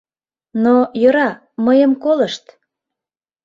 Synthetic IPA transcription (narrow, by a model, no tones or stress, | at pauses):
nojəɾɑ | məjəmkoləʃt̪